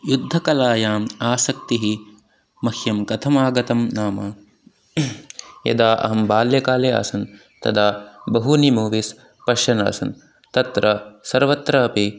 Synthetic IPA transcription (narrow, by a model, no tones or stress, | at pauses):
jud̪ʱːɐkɐlaːjaːmaːsɐk̚t̪iɦi | mɐhjɐmkɐt̪ʰɐmaːɡɐt̪ɐmnaːmɐ | jɐ̰d̪aːʔɐ̰ɦɐmbaːljɐkaːlea̰ːsɐn | t̪ɐ̰d̪aːbɐɦunimuːʋis | pɐʃɐna̰ːsɐn | t̪ɐt̪ɾɐsɐɾʋɐt̪ɾɐːpi